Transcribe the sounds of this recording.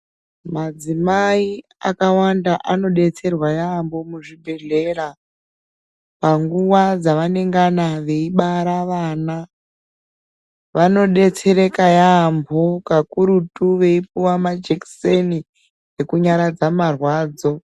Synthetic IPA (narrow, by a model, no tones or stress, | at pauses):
mad͡zimaiakawandaʔano̞ɗe̞t͡se̞rwajaːmbo̞muʐibʱe̞ɮe̞ra | paŋɡuwad͡zaʋane̞ŋɡanaʋe̞iɓaɾaʋaːna | ʋano̞ɗe̞t͡se̞ɾe̞kajambo̞kakuɾutuʋe̞ipuwamad͡ʒekseni | je̞kuɲaɾad͡zamarwaːd͡zo̞